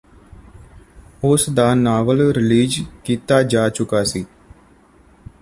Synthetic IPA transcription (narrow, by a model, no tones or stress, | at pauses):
ʊsd̪aːnaːʋəlɾɪliːd͡ʒkiːt̪aːd͡ʒaːt͡ʃʊkaːsiː